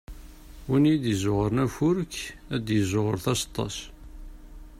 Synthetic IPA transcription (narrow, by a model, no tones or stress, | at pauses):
winjid̪jəzʊʁəɾnæfʊɾkæd̪jəzʊʁəɾθæst̪ˤːɑ̰s